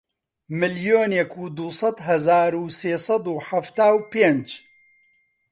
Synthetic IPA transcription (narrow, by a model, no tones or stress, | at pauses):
mɨljoːnjɛkʰuːd̪usˤɑd̪ɦɐzaːɾuːseːsˤɑd̪uːħaft̪aːwpeːnd͡ʒ